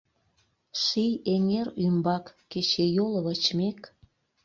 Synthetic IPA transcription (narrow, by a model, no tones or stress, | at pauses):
ʃijeŋerymbɑkːet͡ɕejoləβət͡ɕmek